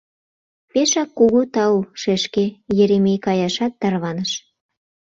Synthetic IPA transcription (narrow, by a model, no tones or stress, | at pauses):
peʃɑkːuɣut̪ɑuʃeʃkejeɾemijkɑjɑʃɑt̪ːɑrβɑnəʃ